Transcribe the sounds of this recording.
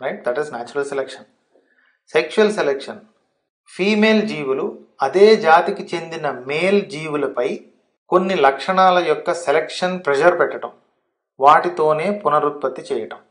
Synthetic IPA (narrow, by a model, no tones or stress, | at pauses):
ɾɐjʈ̚d̪ɐʈiznaːt͡ʃuɾɐlselekʂɐn | sekʃuɐlselekʂɐn | pʰiːme̞ːld͡ʒiːʋulu | ɐd̪e̞ːd͡ʒaːt̪ikit͡ʃe̞nd̪inɐmeːld͡ʒiːʋulɐpɐj | ko̞nːilɐkʂɐɳaːlɐjɔkːɐselekʂɐnpɾɛd͡ʒɐɾpɛʈːɐʈɐm | ʋaːʈit̪o̞ːne̞ːpunɐɾut̪̚pɐt̪ːit͡ʃɛːjɐʈɐm